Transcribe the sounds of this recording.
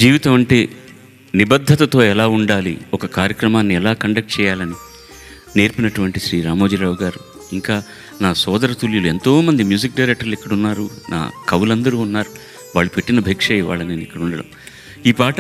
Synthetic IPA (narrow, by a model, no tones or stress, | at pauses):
d͡ʒiːʋit̪ɐmɐɳʈeː | nibɐd̪ʱːɐt̪ɐt̪o̞ːɛlaːuɳɖaːlḭɔkɐkaːɾjɐkɾɐmaːnːiɛlaːkɐɳɖɐk̚ʈ̚t͡ʃɛːjaːlɐni | ne̞ːɾpinɐʈuʋɐɳʈiʃɾiːɾaːmoːd͡ʒiɾaːʋuɡaːɾu | iŋkaː | naːsɔːd̪ɐɾɐt̪uljulue̞nt̪o̞ːmɐnd̪imjuːd͡ʒik̚ɖɐjɾek̚ʈɐɾluikːɐɽunːaːɾunʔa̰ːkɐwulɐnd̪ɐɾuːunːaːɾu | ʋaːɭːupe̞ʈːinɐbʱɐːkʂɐjiʋa̰ːɭːɐneːnikːɐɽuɳɖɐɽɐ̰m | iːpaːʈɐ